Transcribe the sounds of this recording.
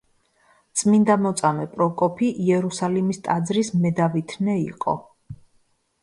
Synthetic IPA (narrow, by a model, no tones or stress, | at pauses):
t̪sʼmind̪amɔt̪sʼamɛpʼɾɔkʼɔpʰiʔiɛɾusalimist̪ʼad̪zɾismɛd̪avit̪ʰnɛḭqʼɔ̰